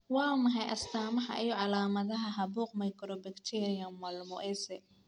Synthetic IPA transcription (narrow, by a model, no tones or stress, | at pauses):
wɑːmɐɦɛjʔɐst̪ʰaːmɐħɑ̰ʔɪjɔʕɑlaːmɐðɐɦɐɦɐbuːqmɐjkʰɾɔbɪkt̪ʰɛɾijɐnmɐlmɔʔɛsɛ